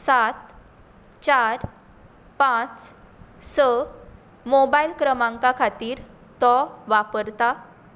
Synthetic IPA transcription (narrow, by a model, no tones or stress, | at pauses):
sat̪ | t͡ɕaɾ | pãt͡s | sə | mobailkɾəmãŋkakʰat̪iːɾ | t̪ɔʋapəɾt̪a